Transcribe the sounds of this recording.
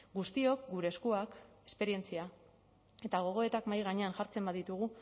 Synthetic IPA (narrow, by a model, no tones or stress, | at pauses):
ɡust̪io̞kɡuɾe̞skuake̞spe̞ɾie̞nt͡sia | e̞t̪aɣ̞o̞ɣ̞o̞e̞t̪akmajɣ̞aɲe̞anʝaɾt͡se̞mbaðit̪uɣ̞u